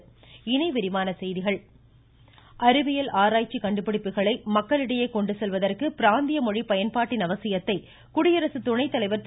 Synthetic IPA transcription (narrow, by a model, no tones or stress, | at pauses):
ɪnɐɪʋɪɾɪmaːnɐsɛjðɪɣɐɭ | ʔɐɾɯʋɪjɐlʔaːɾaːjt͡ʃːikɐɳɖɯpːɪɽɪpːɯɣɐɭɐɪmɐkːɐɭɪɽɐjɐɪkɔɳɖɯsɛlʋɐðɐrkɯpɪɾaːnd̪ɪjɐmɔɻipɐjɐnpaːʈːɪnɐʋɐsɪjɐt̪ːɐɪ | kʊɽɪjɐɾɐsɯt̪ʊɳɐɪt̪ːɐlɐɪʋɐɾt̪